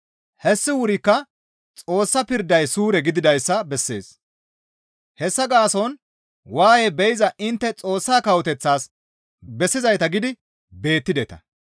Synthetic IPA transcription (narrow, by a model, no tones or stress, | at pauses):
hɛsːɪwʊɾɪkːɐ | t͡sʼo̞ːsːɐpɪɾd̪ːɐjsuːɾɛɡɪd̪ɪd̪ɐjsːɐbɛsːe̞̰ːs | hɛsːɐɡaːsɔn | waːjɛbɛjɪzɐʔɪnt̪ːɛt͡sʼo̞ːsːaːkɐwɔt̪ɛt͡sːaːs | bɛsːɪzɐjt̪ɐɡɪd̪ɪ | be̞ːt̪ːɪd̪ɛt̪ɐ̰